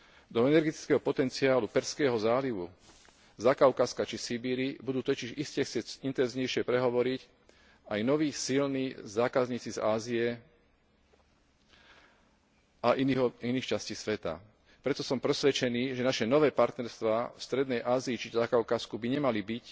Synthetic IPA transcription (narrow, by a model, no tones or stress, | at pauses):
d̪ɔɛnɛɾɡɛt̪i̥t͡skɛːɦɔpɔt̪ɛnt͡siaːlupɛɾskɛːɦɔzaːliʋṵ | zakaʊkaskat͡ʃisibiːɾibud̪uːt̪ɔciʒiscɛxt͡sɪɛɟint̪ɛnzɲɛjʃɪɛpɾɛɦɔʋɔɾic | ajnɔʋiːxsilniːzaːkazɲiːt͡sizaːzijɛ | aʔiniɦɔiniːxt͡ʃasciːsʋɛt̪a̰ | pɾɛt̪ɔsɔmpɾɛsʋɛt͡ʃɛniːʒɛnaʃɛnɔʋɛːpaɾt̪nɛɾst̪ʋaːfst̪ɾɛd̪nɛjʔaːziːt͡ʃizakaʊkaskubiɲɛmalibic